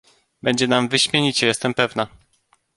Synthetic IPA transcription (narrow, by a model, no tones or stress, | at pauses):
bɛɲd͡ʑɛnamvɘɕmʲjeɲit͡ɕɛjɛst̪ɛmpɛvna